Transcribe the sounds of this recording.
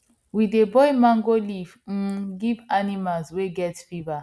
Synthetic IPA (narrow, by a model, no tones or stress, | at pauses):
widebɔjmãŋɡolivm̩ɡivanimalzweɡɛtpiva